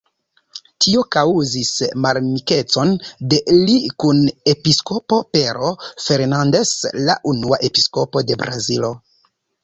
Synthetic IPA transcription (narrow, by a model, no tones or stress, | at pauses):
tʰio̞kawuzismalmike̞t͡so̞nde̞likune̞pisko̞po̞pe̞ɾo̞fe̞ɾnande̞sla̰ʔunuaʔe̞pisko̞po̞de̞bɾazilo̞